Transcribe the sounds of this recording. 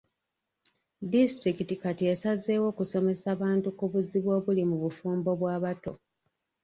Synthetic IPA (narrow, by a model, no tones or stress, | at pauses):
distɾikitikatiesaze̞ːwo̞ːkuso̞me̞saːβaːntukuβuziβwo̞ːβulimuβufuːmbo̞βwaːβato̞